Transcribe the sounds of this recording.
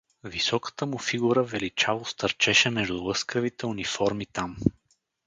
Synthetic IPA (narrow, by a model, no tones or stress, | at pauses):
visɔkə̥t̪əmʊfiɡuɾəvɛlit͡ʃalˠʊst̪ɐɾt͡ʃɛʃɛmɛʒd̪ulˠɤskəvit̪ɛunifɔɾmit̪am